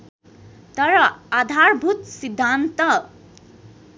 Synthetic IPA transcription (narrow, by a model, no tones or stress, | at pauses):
t̪ʌɾʌad̪ʱarbʱut̪sid̪ʱːant̪ʌ